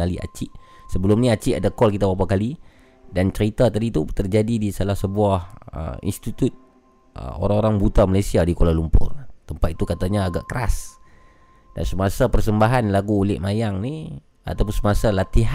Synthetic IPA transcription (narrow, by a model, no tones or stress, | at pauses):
alia̰t͡ʃɪʔsəbəlʊmniat͡ʃɪʔadakɔlkit̪abap̬akali | dant͡ʃəɾit̪at̪adit̪ut̪ərd͡ʒadidisalahsəbuahə̰ḭnst̪it̪ut̪̚ | ə̰o̰ɾaŋoɾaŋbut̪amalasiadikolalumpʊ̰rt̪əmpat̪̚i̥t̪ukat̪aɲaːɡa̰ʔkəɾas | da̰nsəmasapərsəmbaɦanlaɡuːlɪʔmajaŋni | a̰t̪ap̬ʊnsəmasalat̪iɦ